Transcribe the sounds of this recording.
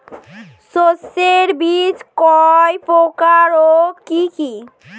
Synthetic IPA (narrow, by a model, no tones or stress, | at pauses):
soseɾbid͡ʑkɔjpokaɾokiki